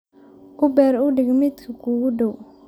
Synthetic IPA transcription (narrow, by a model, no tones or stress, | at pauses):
ʊbɛːɾʊɖɪɡmɪt̪kʰɐkʰuːɣʊɖɔw